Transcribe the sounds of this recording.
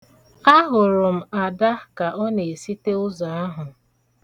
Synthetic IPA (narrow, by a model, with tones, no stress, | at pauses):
a˦ɦʊ˨ɾʊ˨m̩˨a˨da˦ka˨ʔɔ˦ne˨e˨si˦te˦ʊ˦za˨a˦ɦʊ˨